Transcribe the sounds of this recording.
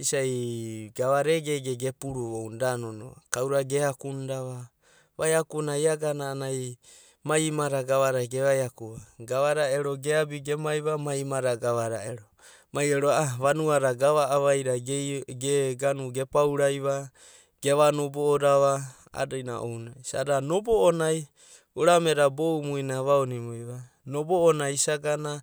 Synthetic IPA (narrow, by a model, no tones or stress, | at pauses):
isajɡaβaɾeɡeɡeɡepuɾuowndanono̰a̰kawɾaɡehakundaβa | βajakunajaɡanaːnaj | majmaɾaɡaβaɾaɡeβajakuβaɡaβaɾaeɾoɡeabiɡemajβamajmaɾaɡaβaɾa̰eɾo | majeɾoaaβanuaɾaɡaβaʔːβajɾaɡeɡanuɡe̞pawɾajβa | ɡ̥e̞βanoboːɾaβa | a̰dajna̰ʔo̰wnasa̰danoboːnaj | uɾameɾabowmujnaβaonimujβa | noboːnajsaɡana